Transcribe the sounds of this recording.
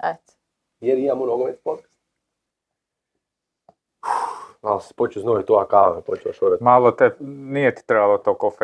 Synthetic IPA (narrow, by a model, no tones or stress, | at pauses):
ɛt̪ | jeɾimamonoɡoʋespot̪kḁst̪ | ualspot͡ʃuznoit̪oakamɛpot͡ʃɛaʃoɾamalˠot̪ɛnijet̪i̥t̪ɾebalˠot̪okof